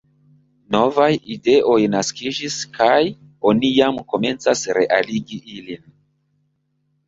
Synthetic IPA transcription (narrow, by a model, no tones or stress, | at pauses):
no̞vajide̞ʔo̞jnaskid͡ʒiskʰaj | o̞nijamko̞me̞nt͡sasɾe̞ʔaliɡiʔilin